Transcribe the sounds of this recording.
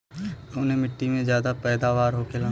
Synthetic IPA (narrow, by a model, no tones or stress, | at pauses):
ʊnẽmɪʈːimẽzjaːd̪apɛːd̪aːʋaːɾɦokʰelaː